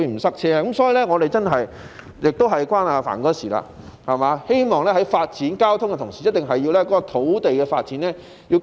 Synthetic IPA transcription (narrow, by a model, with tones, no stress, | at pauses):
i˧m̩˨˩sɐ˥k̚t͡sʰɛː˥˧kɐ˨˥msɔː˨˥jiː˨lɛ˥ŋɔː˨˧ɾe˨jt͡sɐ˥nɦɐ˨j | jɪ˨k̚t̪o˥wɦɐ˨jkwaː˥naː˨˧fa̰ː˨˩nkɔː˨˧˥siː˨˩la̰ː˧ | hɐ˨maː˨˧he˥jmɔː˨ŋlɛː˥ɦɐ˨˥jfaː˧t̚t͡siː˨˥nkaː˥wt̪ʰʊ˥ŋkɛ˧t̪ʰʊ˨˩ŋsiː˨jɐ˥t̚t̪ɪ˨ŋɦɐ˨jːi˧wlɛː˥kɔ˨˥kɔ˧t̪ʰo˨˥wt̪e˨jkɛː˧faː˧t̚t͡siː˨˥nlɛː˥ | jiː˧w